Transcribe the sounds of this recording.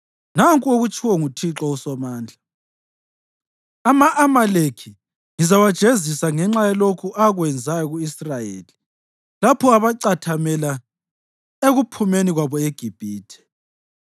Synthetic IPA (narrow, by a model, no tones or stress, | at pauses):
naŋkʼuoɣut͡ʃʰʼiwɔŋutʰiǁɔusɔmaːnd͡ɮʱa | amaʔamalekʰi | ŋizawad̥ʒ̥ʱezisaŋɛŋ͡ǁajɛlokʰuʔaɣwɛnd͡zʱajɔɣuisrajḛːli | lapʰɔaβaǀatʰamɛla | eɣupʰumeniɣwaβɔeɡ̥ʱib̥ʱiːtʰɛ̥